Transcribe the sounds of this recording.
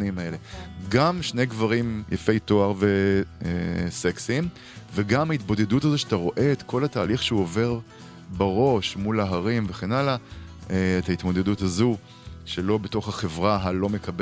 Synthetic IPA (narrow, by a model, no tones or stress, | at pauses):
nimaele̞ɡamʃne̞jɡvaʁimjʔafe̞jt̪o̞aʁveeseksim | veɡamait̪bo̞d̪e̞duthazo̞ʃeat̪aʁo̞ʔe̞et̪ko̞lataːliχʃeuove̞ʁ | baʁo̞ʃmulaɦaʁimveχe̞nalaeethait̪mo̞d̪e̞duthazu | ʃelo̞beto̞χhaχe̞vʁaɦalo̞me̞kɐbe